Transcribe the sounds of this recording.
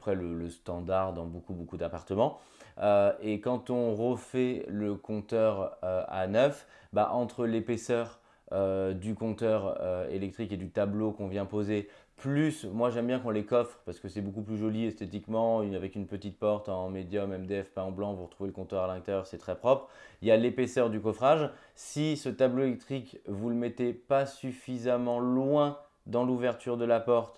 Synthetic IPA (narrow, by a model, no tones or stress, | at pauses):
apχɛlələst̪ɑ̃d̪aʁd̪ɑ̃bokubokud̪apaʁt̪əmɑ̃ | øekɑ̃t̪ɔ̃ʁəfɛləkɔ̃t̪œʁøa̰nœf | ba̰ʔɑ̃t̪χəlepesœʁ | ød̪ykɔ̃t̪œʁøḛlɛk̚t̪χiked̪yt̪ablokɔ̃vjɛ̃poze | plysmwaʒɛmbjɛ̃kɔ̃lekɔfχpaʁsə̥kəsɛbokuplyʒɔliɛst̪et̪ikmɑ̃iavɛkynpət̪it̪̚pɔʁt̪ɑ̃med̪jɔmɛmd̪eɛfpɛ̃ɔ̃blɑ̃vuʁət̪χuveləkɔ̃t̪œʁalɛ̃k̚t̪ɛʁsɛt̪χɛpχɔpχiljalepesœʁd̪ykɔfχaʒ | sisət̪abloelɛk̚t̪χikvuləmɛt̪epasyfizamɑ̃lwɛ̃ | d̪ɑ̃luvɛʁt̪ʰyʁd̪əlapɔʁt̪